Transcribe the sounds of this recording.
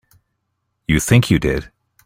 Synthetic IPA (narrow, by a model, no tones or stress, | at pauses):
jɨθɪ̃ŋkʰjɨdɪd̥